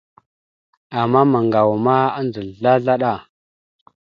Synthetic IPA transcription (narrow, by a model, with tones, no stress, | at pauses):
a˨mːa˦ma˨ŋɡa˨wma˦a˦nd͡zə˨ɮa˦ɮa˦ɗa˦˨